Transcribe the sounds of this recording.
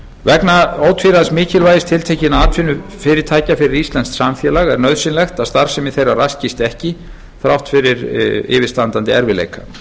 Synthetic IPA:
vɛknaoːwt̪fiɾaðsmɪːcɪlvaːjðɪst̪ʰɪlt̪ʰehcɪnaaːt̪fɪnːʏfɪːɾɪɾt̪ʰaːjcafɪɾɪɾist̪lɛnsksamθjɛːlaɣɛɾnœðsɪnlɛxt̪aðst̪aɾsɛmɪθejrarascɪst̪ɛhcɪ | θɾawht̪fɪɾɪɾɪ̰ːvɪst̪ant̪ant̪ɪɛɾvɪlḛjkḁ

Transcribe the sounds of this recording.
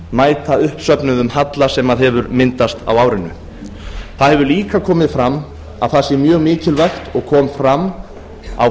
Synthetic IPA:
maːjt̪aʏhpsœpnʏðʏmhat̪lasɛmaðɦɛvʏɾmɪnt̪ast̪a̰waːwɾɪnʏ̰ | θaðhɛvʏliːkakʰɔːmɪð̥fɾamː | a̰ðθasjɛɾmjœːɣmɪːcɪlvajxt̪ɔɣkʰɔːmfɾamː | a̰w

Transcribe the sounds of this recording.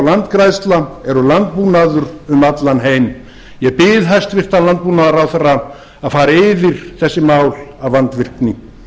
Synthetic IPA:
wlant̪kɾajst̪laɛɾʏlant̪̚puːnaðʏɾʏmat̪lanɦeːjm | jɛɣpɪðɦajst̪vɪr̥t̪alant̪̚puːnaðaɾawθɛrːa | aðfaːɾɪɪvɪɾ̥θɛsːɪmaːwlavvant̪vɪr̥knɪ

